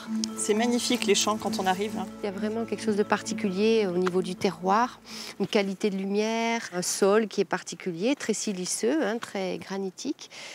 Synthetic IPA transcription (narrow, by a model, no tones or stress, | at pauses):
sɛmaɲifikleʃɑ̃kɑ̃t̪ɔ̃naʁivɛ̃ljavʁɛmɑ̃kʲɛlkə̥ʃozd̪əpaʁt̪ikʲyljeonivod̪yt̪ɛʁwaːʁ | ynkalit̪ed̪əlymjɛʁɛ̃sɔlkʲiɛpaʁt̪ikʲyljet̪χɛsilisøɛ̃t̪χɛɡʁanit̪ʰik